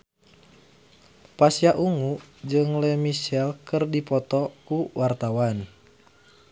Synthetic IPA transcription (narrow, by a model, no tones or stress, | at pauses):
pasiaʔuŋud͡ʒɨŋlɛmiʃɛlkɨrdipɔt̪ɔkuwart̪awan